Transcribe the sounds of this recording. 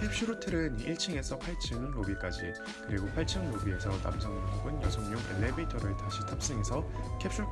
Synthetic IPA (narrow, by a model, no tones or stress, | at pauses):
kʰep̚ɕ͈uɾotʰɯɾɯniiɭt͡ɕʰiŋe̞sʰʌpʰaɭt͡ɕʰɯŋɾobik͈ad͡ʑi | kɯɾiɡopʰaɭt͡ɕʰɯŋɾobie̞sʰʌna̰msʰʌŋoɡɯnjʌsʰʌŋɲoŋḛlːemitʰʌɾɯtaɕʰitʰap̚s͈eŋe̞sʰʌkʰep̚ɕ͈u